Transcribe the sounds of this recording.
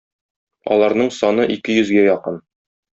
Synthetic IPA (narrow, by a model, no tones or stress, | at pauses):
ɒ̰lˠɑɾnɤɴsɒnɤʔikɘjɵ̆zɡæjɒqɤn